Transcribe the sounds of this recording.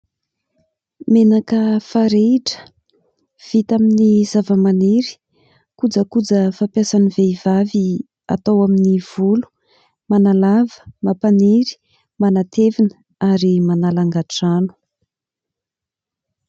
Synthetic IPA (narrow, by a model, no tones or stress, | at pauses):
menakəfaɾeʈ͡ʂə̥ | v̥it̪aminizavəmaniɾi̥ | kud͡zəkud͡zəfapjasaniveivavi | a̰t̪awaminiv̥ulu̥ | manalavə̥mapaniɾi̥ | manat̪ʰevinə | aɾimanalaŋɡaʈ͡ʂanu̥